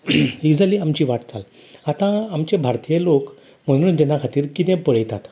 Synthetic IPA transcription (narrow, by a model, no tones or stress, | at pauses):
id͡zaliamt͡ɕiʋaʈd͡zal | at̪ãamt͡ɕẽbʱaɾt̪ijelok | mənnd͡ʑənakʰat̪iːɾkit̪ɛ̃pəɭjt̪at̪